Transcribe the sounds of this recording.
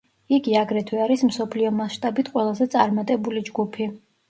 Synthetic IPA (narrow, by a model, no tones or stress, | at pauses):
iɡiaɡɾɛt̪ʰwɛaɾism̩sɔpʰliɔmasʃt̪ʼabit̪ʰqʼwɛlˠazɛt̪sʼaɾmat̪ʼɛbulid͡ʒɡupʰi